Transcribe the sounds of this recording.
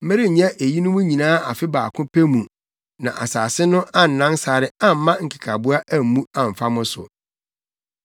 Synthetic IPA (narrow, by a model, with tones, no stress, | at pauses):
m̩˦mɪ˦ɾɪ˦ɲ̩˨ɲã˦ʔe˨ji˦nʊ̃˦mʊ̃˦ɲĩ˨nãː˦a˨fɪ˦baː˨kʰʊ̃˦pʰe˦mũ˨ | nã̰˨ʔa̰˨saː˨sɪ˦nʊ̃˦ʔa˦n̩˨nã˦nsa˨ɾɪ˦ã˦m̩˦mã˦ŋ̩˨kʰɪ̥˨kʰa˨bu˦a˦ʔæ˦m̩˨˦mũ˦ã˦˨m̩˨fa˦mʊ̃˦sʊ̰˨